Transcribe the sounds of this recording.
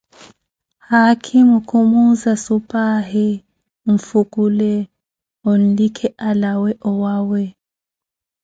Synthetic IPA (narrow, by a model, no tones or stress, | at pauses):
hakʰimukʰumuzasupʼahi | ɱ̩fukʼulɛ | on̩likʰɛʔalawɛʔɔwaːwɛ